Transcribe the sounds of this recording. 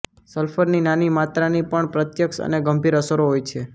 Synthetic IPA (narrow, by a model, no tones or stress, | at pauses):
səlfʰəɾninanimat̪ɾanipəɳpɾət̪jəkʃə̰neɡəmbiɾəsəɾoɦojt͡ʃʰe